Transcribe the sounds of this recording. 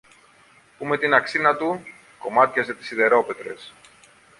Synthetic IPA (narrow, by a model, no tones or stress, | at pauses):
pume̞t̪inɐksinɐt̪u | ko̞mɐt̪çɐze̞t̪i̥siðe̞ɾo̞pe̞t̪ɾe̞̰s